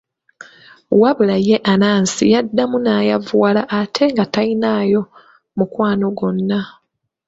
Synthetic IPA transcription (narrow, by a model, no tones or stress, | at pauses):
waβulaje̞ʔanaːnsijadːamunaːjavwalaʔatʰe̞ŋɡatainaːjo̞ | mukwaːno̞ɡo̞nːa